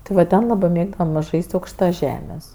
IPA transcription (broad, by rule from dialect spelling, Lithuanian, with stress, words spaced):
tʲɪ ˈʋɐ ˈtʲɛn ˈlˠɑːbɜ ˈmʲeːɡdɐʋɐm ˈʒɐɪsʲtʲ ɐʊkʃˈtɐ ˈʒʲæːmʲeːs